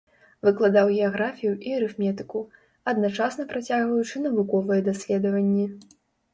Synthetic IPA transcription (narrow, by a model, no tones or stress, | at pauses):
vɨklˠad̪awɣʲɛaɣɾafʲijuʔiɐɾɨfmʲɛt̪ɨ̥ku | ɐd̪nat͡ʂasnɐpɾat͡sʲaɣvɐjut͡ʂɨnɐvukɔvɨjɛd̪asʲlʲɛd̪ɐvɐnʲːɛ